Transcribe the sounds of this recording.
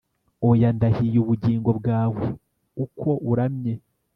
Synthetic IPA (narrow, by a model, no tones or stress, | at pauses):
ojandahijuːβuɟiːŋɡo̞bɡaːwe | ukʰo̞ʔuɾamɲe